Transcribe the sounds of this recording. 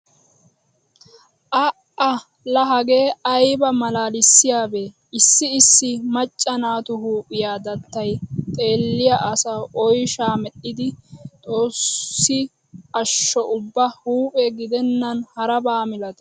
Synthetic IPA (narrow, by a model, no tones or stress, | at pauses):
ʔɐʔɐ | lɐɦɐɡe̞ːɐjbɐmɐlaːlɪsːɪjaːbe | ʔɪsːɪːsːɪmɐt͡ʃʼːɐnaːt̪ʊɦuːpʼɪjaːd̪ɐt̪ːɐjt̪ʼe̞ːlːɪjɐʔɐsɐwʔɔjʃaːmɛɗːɪd̪ɪt̪ʼo̞ːsːɪ | ɐʃːɔʔʊbːɐhuːpʼɛɡɪd̪ɛnːɐnhɐɾɐbaːmɪlɐt̪